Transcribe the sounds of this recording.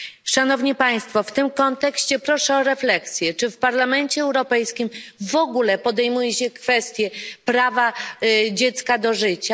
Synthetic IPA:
ʂanɔvɲipaj̃st̪fɔft̪ɘmkɔnt̪ɛkɕt͡ɕɛpɾɔʂɛɔɾɛflɛksʲjɛt͡ʂɘfpaɾlamɛɲt͡ɕɛːwɾɔpɛjskʲimvɔɡulɛpɔd̪ɛjmujɛɕɛkfɛst̪ʲjɛpɾavad͡ʑɛt̪skad̪ɔʐɘt͡ɕa

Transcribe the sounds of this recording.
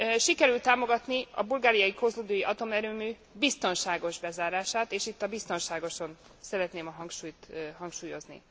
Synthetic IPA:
ʃikɛɾylt̪ːaːmo̞ɡɒt̪niɒ̰bulɡaːɾijɒjikozluːd̪ojiʔɒt̪o̞mɛɾøːmyː | bist̪o̞nʃaːɡo̞ʒbɛzaːɾaːʃaːt̪eːʃit̪ːɒbist̪o̞nʃaːɡo̞ʃo̞n | sɛɾɛt̪neːmɒɦɒŋkʃuːjt̪ɦɒŋkʃuːjo̞znḭ

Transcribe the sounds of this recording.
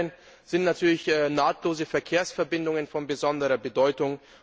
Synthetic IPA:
ən | z̥ɪntnatʰyːɐlɪçʔɛːnaːtʰloːzəfɛɐkʰeːɐsfɛɐbɪndʊŋənfɔnbəzɔndəʁɐbədɔʏtʊŋ

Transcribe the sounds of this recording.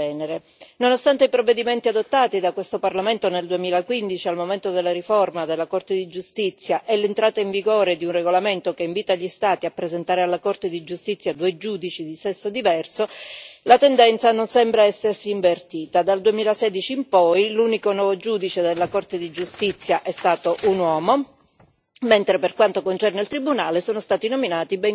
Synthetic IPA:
ɛːneɾe | nonost̪ant̪eipɾovːed̪iment̪iad̪ot̪ːaːt̪id̪akwest̪oparlament̪oneld̪uemiːlakwind̪it͡ʃialmoment̪od̪elːaɾiformad̪elːakort̪ed̪id͡ʒust̪it̪sːjaʔɛlːent̪ɾaːt̪aiɱviɡoːɾed̪iunreɡolament̪okeiɱviːt̪aʎːist̪aːt̪iapːɾezent̪aːɾealːakort̪ed̪id͡ʒust̪it̪sːjad̪ued͡ʒuːd̪it͡ʃid̪isɛsːod̪ivɛrsolat̪end̪ɛnt̪sanonsɛmbɾaɛsːersiːɱvert̪iːt̪ad̪ald̪uemiːlasɛːd̪it͡ʃiːmpɔjluːnikonwɔvod͡ʒuːd̪it͡ʃed̪elːakort̪ed̪id͡ʒust̪it̪sːjaʔɛst̪aːt̪oʔunwɔːmo | ment̪ɾeperkwant̪okont͡ʃɛrneilt̪ɾibunaːlesoːnost̪aːt̪inominaːt̪ibɛŋ

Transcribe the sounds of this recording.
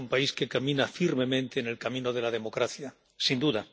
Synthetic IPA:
umpaiskekamĩnafiɾme̞mẽ̞nt̪eːne̞lkamĩnoð̞e̞lað̞e̞mo̞kɾaθja | sind̪uða

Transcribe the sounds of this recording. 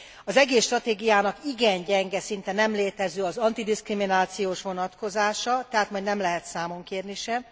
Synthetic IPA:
ɒzɛɡeːsʃt̪rɒt̪eːɡijaːnɒkiɡɛɲɟɛŋɡɛsint̪ɛnɛmleːt̪ɛzøːɒzɒnt̪id̪iskriminaːt̪sijoːʃʋo̞nɒt̪ko̞zaːʃɒt̪ɛɦaːt̪mɒjd̪nɛmlɛɦɛt̪saːmo̞ŋkeːrniʃɛm

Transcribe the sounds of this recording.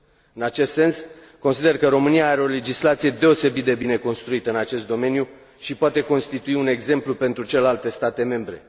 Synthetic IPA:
ɨnat͡ʃe̞st̪se̞ns | ko̞nsid̪e̞rkəɾo̞mɨnijaaɾe̞o̞le̞d͡ʒislat̪sije̞d̪e̞o̞se̞bit̪̚d̪ebine̞ko̞nst̪ɾuit̪əɨnat͡ʃe̞st̪d̪o̞me̞nju | ʃipoat̪e̞ko̞nst̪it̪uiune̞ɡze̞mplupe̞nt̪ɾut͡ʃelelalt̪e̞st̪at̪e̞me̞mbɾe̞

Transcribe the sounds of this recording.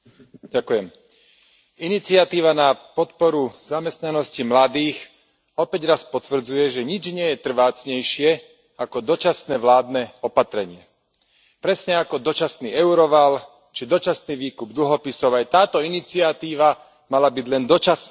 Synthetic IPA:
ɟakujɛm | init͡sɪat̪iːʋanapɔt̪pɔɾuzamɛst̪nanɔscimlad̪iːx | ɔpɛɟɾaspɔt̪ʋr̩d͡zujɛʒɛɲid͡ʒɲɪɛjɛt̪r̩ʋaːt͡sɲɛjʃɪɛ | akɔd̪ɔt͡ʃasnɛːʋlaːd̪nɛɔpat̪ɾɛɲɪɛ | pɾɛsɲɛakɔd̪ɔt͡ʃasnḭːɛʊɾɔʋal | t͡ʃid̪ɔt͡ʃasniːʋiːkub̚d̪l̩ɦɔpisɔʊajt̪aːt̪ɔinit͡siat̪iːʋa | malabiɟlɛnd̪ɔt͡ʃas

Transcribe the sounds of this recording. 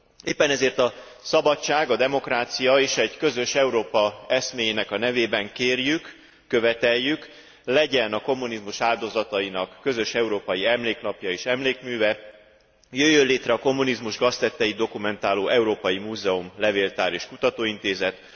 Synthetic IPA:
eːpːɛnɛzeːrt̪ɒ | sɒbɒt͡ʃːaːɡɒd̪ɛmo̞kraːt̪sijɒeːʃɛɟkø̞zø̞ʃɛuɾoːpɒɛsmeːjenɛkɒnɛveːbɛŋkeːrjykː | ø̞vɛt̪ɛjːyk | lɛɟɛnɒko̞mːunizmuʃaːld̪o̞zɒt̪ɒjinɒkːø̞zø̞ʃɛuɾoːpɒjiɛmleːknɒpjɒeːʃɛmleːkmyːvɛ | jøjːønleːt̪rɛɒko̞mːunizmuʒɡɒst̪ɛt̪ːɛjid̪o̞kumɛnt̪aːloːʔɛuɾoːpɒjimuːzɛumlɛveːlt̪aːɾeːʃkut̪ɒt̪oːint̪eːzɛt̪

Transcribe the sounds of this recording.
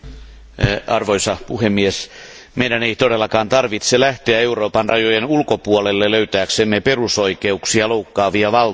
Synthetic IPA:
ɑrʋoisɑpuhemːies | meidæneit̪odelːɑkɑːnt̪ɑrʋit̪selæht̪eæe̞uroːpɑnrɑjojenulkopuolelːeløyt̪æːksemːeperusoikeuksiɑloukːɑːʋiɑʋɑl

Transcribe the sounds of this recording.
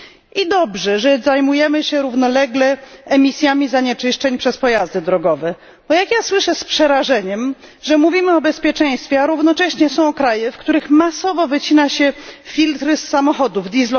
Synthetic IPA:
ʔid̪ɔbʐɛʐɛzajmujɛmɘɕɛɾuvnɔlɛɡlɛɛmʲisʲjamʲizaɲɛt͡ʂɘʂt͡ʂɛɲpʂɛspɔjazd̪ɘd̪ɾɔɡɔvɛ | bɔjakjaswɘʂɛspʂɛɾaʐɛɲɛm | ʐɛmuvʲimɘɔbɛspʲjɛt͡ʂɛ̃j̃st̪fʲjɛaɾuvnɔt͡ʂɛɕɲɛsɔ̃w̃ɔkɾajɛfkt̪uɾɘxmasɔvɔvɘt͡ɕinaɕɛfʲilt̪ɾɘsːamɔxɔd̪uvd̪ʲizlɔ

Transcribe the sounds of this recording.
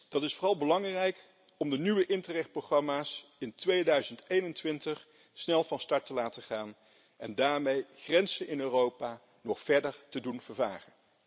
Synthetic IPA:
d̥ɑtɪsfʊːrɑlˠbəlɑŋrɛjk | ɔmdənyʋəʔɪntərɛχt̚proχrɑmaːsɪntʋejdœɥzəntejnəntʋɪntəχ | snɛlˠvɑnstɑɹtəlaːtəχaːn | ɛndaːɹmejχrɛnzənɪnøːrowpaː | nɔχfɛɹdəɹtədunvəɹvaːrən

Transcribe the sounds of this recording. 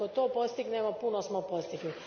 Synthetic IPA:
ot̪oːpost̪iɡnemopunosmopost̪iɡli

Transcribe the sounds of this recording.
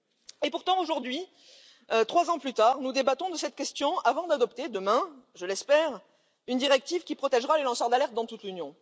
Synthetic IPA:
epuʁt̪ɑ̃oʒuʁd̪ɥi | øt̪χwazɑ̃plyt̪aʁnud̪ebat̪ɔ̃d̪əsɛt̪kʲɛst̪jɔ̃avɑ̃d̪ad̪ɔpt̪ed̪əmɛ̃ʒəlɛspɛʁ | ynd̪iʁɛk̚t̪ivkʲipχɔt̪ɛʒʁalelɑ̃sœʁd̪alɛʁt̪̚d̪ɑ̃t̪ut̪lynjɔ̃

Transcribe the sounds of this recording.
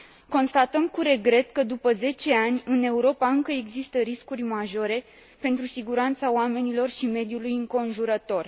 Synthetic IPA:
ko̞nst̪at̪əmkuɾe̞ɡɾe̞t̪kəd̪upəze̞t͡ʃe̞anʲɨne̞uɾo̞paɨŋkəe̞ɡzist̪əɾiskurʲmaʒo̞ɾe̞ | pe̞nt̪ɾusiɡuɾant̪saoame̞nilo̞rʃime̞d̪julujɨŋko̞nʒuɾət̪o̞r

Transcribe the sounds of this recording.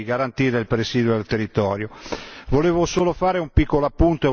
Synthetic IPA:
iɡaɾant̪iːɾeilpɾesiːd̪wod̪elt̪erːit̪ɔːɾjovoleːvosoːlofaːɾeumpikːoloapːunt̪oe

